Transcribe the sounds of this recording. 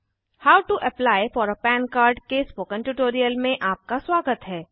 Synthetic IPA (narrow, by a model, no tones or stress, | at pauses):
haːʊʈuʔɐplaːɪfɔːɾəpɛ̃ːnkaːɾɖkespoːkə̃ɳʈuːʈoːɾijəlmẽʔaːp̚kaswaːɡət̪ɦɛː